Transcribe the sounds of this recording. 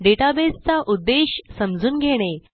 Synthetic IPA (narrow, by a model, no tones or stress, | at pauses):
ɖeʈabest͡saʔud̪ːeɕsəmd͡zuːnɡʱeɽ̃e